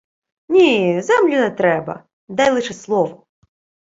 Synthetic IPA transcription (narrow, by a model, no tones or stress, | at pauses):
nʲizɛmlʲʊnɛt̪ɾɛbɐ̰ | d̪ajlˠɨʂɛslˠɔʋɔ